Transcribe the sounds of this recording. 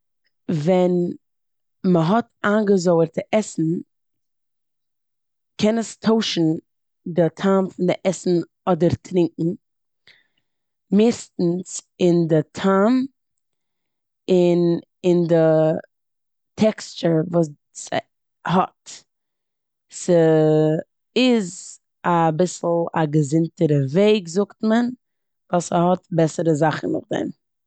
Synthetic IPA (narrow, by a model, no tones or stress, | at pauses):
vɛn | məɦɔtaːnɡəzoʊəɾtɪʔɛsn̩ | kʰɛnəstʰoʊʃn̩ | dɪtʰaːmfʊndɪʔɛsn̩ | ɔdəɾtʰɾɪŋkŋ̩ | mɪːstn̩sɪndɪtʰaːm | ɪn | ɪndɪ | tʰɛkst͡ʃəɾvuːs | s | hɔt | sə | ɪz | abɪsl̩ˠa̰ɡəzɪntəɾəveɪɡzʊktmən | vaːsahɔtbɛsəɾəzaχn̩nʊ̰χdɛ̰m